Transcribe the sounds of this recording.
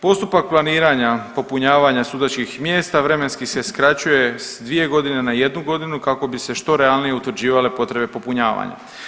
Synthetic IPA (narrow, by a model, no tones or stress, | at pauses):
po̞st̪upak̚plˠaniːɾaɲapo̞puɲaːʋaɲasuːd̪at͡ʃkixmje̞ːst̪aʋɾe̞me̞nskise̞skɾat͡ɕuje̞sd̪ʋije̞ɡo̞d̪ine̞naje̞d̪nuɡo̞d̪inukako̞bise̞ʃt̪o̞ɾe̞alˠnijeut̪ʋɾ̩d͡ʑiːʋale̞po̞t̪ɾe̞be̞po̞puɲaːʋa̰ɲa̰